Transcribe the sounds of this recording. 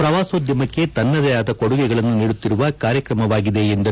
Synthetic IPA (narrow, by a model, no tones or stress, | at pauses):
pɾɐʋaːsoːd̪jɐmɐkːet̪ɐnːɐd̪ɐjaːd̪ɐkoɽuɡɛɡɐɭɐnːuniːɽut̪ːiɾuʋɐkaːɾjɐkɾɐmɐʋaːɡid̪e̞ːnd̪ɐ